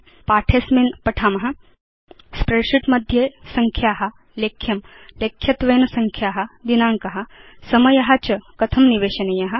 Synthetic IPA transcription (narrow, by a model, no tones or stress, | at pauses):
paːʈʰeːsmeːnpɐʈʰaːmɐɦɐ | spɾeːʂiʈmɐd̪ʱjesɐŋkʰjaːɦɐ | leːkʰːjɐm | leːkʰːjɐt̪ʋeːnɐsɐŋkʰjaːɦɐd̪inaːŋkɐɦɐ̆sɐmɐjɐɦɐt͡ʃɐkɐt̪ʰɐmniʋeːʃɐnɐjɐɦɐ̆